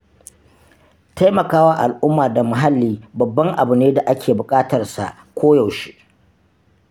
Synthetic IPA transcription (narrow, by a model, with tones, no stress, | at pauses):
ta˦jmɐ˨kaː˦wa˦ʔa˨lʔʊ˦mːaː˨da˨mʊ˨ɦa˦lːiː˦bɐ˨bːɐ˦ŋʔa˨bʊ˨neː˦da˨ʔa˦kʲʰeː˨bʊ˨kʼaː˦tɐ˨rsa̰˨ʔ | kʷoː˦ja˨wʃi̥˦ʔ